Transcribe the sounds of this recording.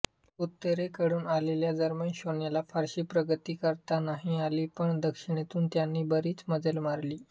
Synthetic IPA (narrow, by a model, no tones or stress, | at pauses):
ut̪ːəɾekəɽuːnaleljad͡zəɾmənɕoɳjalafaɾɕiːpɾəɡət̪iːkəɾt̪anaɦĩaliːpəɳd̪əkʂiɳ̃et̪uːnt̪janːiːbəɾiːt͡sməd͡zəlmaɾliː